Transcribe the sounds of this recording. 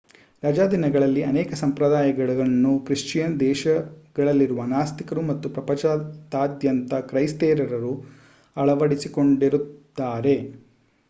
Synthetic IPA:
ɾɐd͡ʒaːd̪inɐɡɐɭɐlːiɐnɛːkɐsɐmpɾɐd̪aːjɐɡɐɭɐɐnːukɾiʂt͡ʃijɐnd̪ɛːʃɐɡ̥ɐɭɐlːiɾuʋɐnaːst̪ikɐɾumɐt̪ːupɾɐpɐt͡ʃat̪aːd̪jɐnt̪ɐkɾɐjst̪ɛːɾɐɾɐɾu | ɐɭɐʋɐɽisiko̞ɳɖiɾut̪ːaːɾe̞

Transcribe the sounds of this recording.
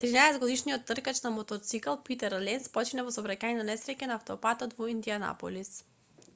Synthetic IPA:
t̪ɾinaɛsɛd̪ɡod̪iʃnijot̪ːrkat͡ʃnamot̪ot̪sikalˠpit̪ɛɾlɛnspɔt͡ʃinavɔsobɾacajnanɛsɾɛcanaːft̪opat̪ɔt̪voind̪iana̰po̰lis

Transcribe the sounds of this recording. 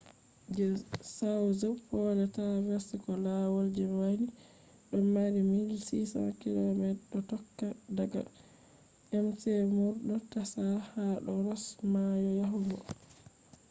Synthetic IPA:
d͡ʒɛsawzəpɔːlɛtawɛsɛkɔlawɔld͡ʒɛmani | ɗɔmːaɾimiɡisisa̰kilɔmɛɗɔtɔkːadaɡa̰ | ʔɛmsɛmuɾɗɔtasahaɗɔɾɔsmajɔjaɦumɡɔ̰

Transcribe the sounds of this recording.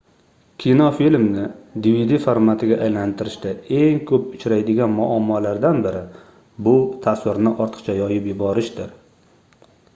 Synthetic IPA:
kʲʰinofilmnɪd̪ivid̪ifoɾmat̪ʰɪɡʲaʔajlant̪ʰɪɾɪʃt̪ae̞ŋkʰɵpʊt͡ʃʰɾajd̪ɪɡʲanmʊʔamːɒlaɾd̪anbɪɾɪ | bʊt̪ʰaswɪɾnɪʔɒɾt̪ʰɨ̥qt͡ʃʰajɒjɪpjɪbɒɾɪʃd̪ɪɾ

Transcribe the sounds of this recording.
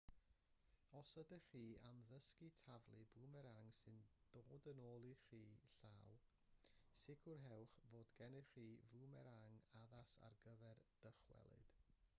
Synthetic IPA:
ɔsədəχiːamðəskitʰavlˠɨbuːmɛɾaŋsɨnd̥oːdənoːlˠiχiːɬaw | sɪɡʰʊrɦɛwχvoːdɡ̥ɛnɨχiːvuːmɛɾaŋaðasa̰rɡəvɛrd̥əχwɛ̰lˠɨ̰d̥

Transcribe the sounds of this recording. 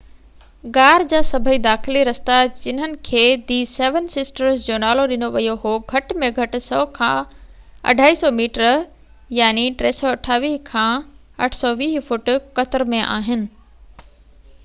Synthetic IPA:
ɡaːɾd͡ʑaːsɐbʱəid̪aːxɪliɾɐst̪ad͡ʑɪnɦənɪ̆kʰeːd̪iːseːʋənsɪsʈəɾsd͡ʑonaːloɗɪnoʋɐjoɦoɡʱɐʈmẽɡʱɐʈ̆sɔːkʰã | ɐ̰ɖʱaːisɔmiːʈəɾ | jaːniʈɾeːsɔɐʈʰaːʋiːkʰãː | ɐʈʰsɔʋiːfʊʈkɐt̪ɪɾmẽʔa̰ːɦɪnɪ̆

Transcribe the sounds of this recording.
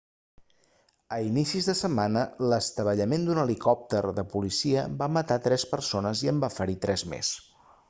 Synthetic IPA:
əinisizðəsəmːanələst̪əβəʎəmend̪unəlikɔp̚t̪əɾðəpulisiəbamət̪at̪ɾɛspəɾsonəziəmbafəɾit̪ɾɛzmḛs

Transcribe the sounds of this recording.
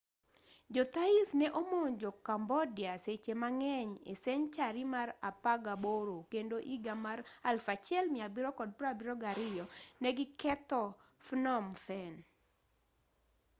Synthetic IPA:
d͡ʒɔt̪aisnɛʔomoɲd͡ʒokambɔdjaset͡ʃemaŋɛɲḛsɛɲt͡ʃaɾimarapaɡaboɾokendoʔiɡamaralfat͡ʃɛlmɪabiɾɔkɔd̚pɾabiɾɔɡaɾɪjɔnɛɡɪkɛt̪ɔfnɔmfɛn

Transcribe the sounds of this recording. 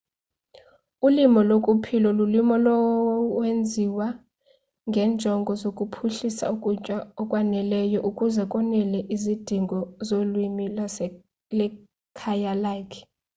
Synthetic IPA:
ulimɔlokʼupʰilɔlulimɔlɔwend͡zʱiwa | ŋɡʱɛnd͡ʒʱɔŋɡʱɔzokʼupʰuɬisa̰ukʼut͡ʃʼwaɔkʼwanɛlɛjɔʔukʼuzɛkʼɔnɛlɛʔizid̥ʱiŋɡʱɔzolwimi | lɛ | kʰajalajkʰ

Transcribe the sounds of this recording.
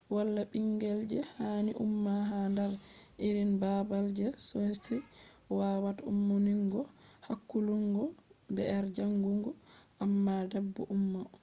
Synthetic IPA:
walːaɓiŋɡɛld͡ʒɛhaːniʔṵmːaɦandaɾʔiɾinbabald͡ʒɛsɔhsɛ | waːwatumːuniŋɡɔhakːuluŋɡɔbɛʔɛɾd͡ʒaŋɡuŋɡɔʔamːadɛbːuʔumːa

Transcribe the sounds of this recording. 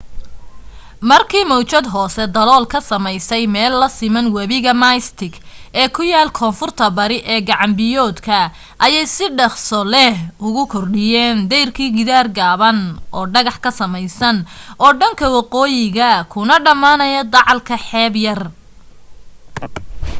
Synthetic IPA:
mɐrkʰiːmɔwt͡ʃɐd̪ɦɔːsɛd̪ɐlɔːlkʰɐsɐmɛjsɛjmɛːlːɐsɪmɐnwɐβɪɣɐmajst̪ʰɪɡʔɛːkʰʊjaːlkʰɔːnfʊrt̪ʰɐbɐɾɪʔɛːɡɑʕɑmbɪjɔːd̪kʰɐ | ʔɐjɛjsɪɖɐχsɔlɛɦʊɣʊkʰɔrɖɪjɛːnd̪ɛjrkʰiːɡɪðaːrɡaːβɐnʔɔːɖɐɣɑħkʰɐsɐmɛjsɐnʔɔːɖɐŋkʰɐwɑqɔːjɪɣɐkʰʊnɐɖɐmaːnɐjɐd̪ɑʕɑlkʰɐħɛːbjɐr

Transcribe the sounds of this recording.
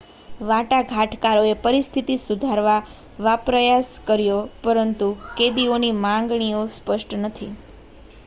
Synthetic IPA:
ʋaʈaɡʱaʈʰkaɾoepəɾist̪ʰit̪isud̪ʱaɾʋa | ʋapɾəjaskəɾjopəɾənt̪uked̪ionimãŋɡɳ̃iospəʃʈnət̪ʰi

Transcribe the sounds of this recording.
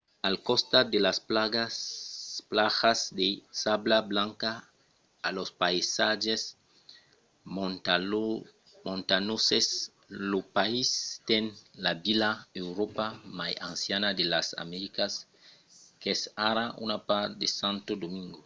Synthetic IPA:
alkost̪ad̪elaspaɡa | plaxasd̪esablablãŋkaː | lospaisaʒes | mõnt̪anoses | lopaist̪enlabilaewɾopamajã̰nsjanad̪elasa̰meɾikas | kesaɾaṵnapaɾtd̪esãnt̪od̪omiŋɡo

